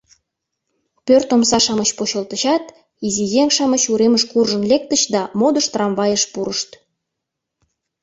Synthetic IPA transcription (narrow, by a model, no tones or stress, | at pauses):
pørt̪omsɑʃɑmət͡ɕpoɕə̆lt̪əɕɑt̪ | izijeŋʃɑmət͡ɕuɾeməʃkurʒənlek̚t̪əɕd̪ɑmod̪əʃt̪rɑmβɑjəʃpuɾəʃt̪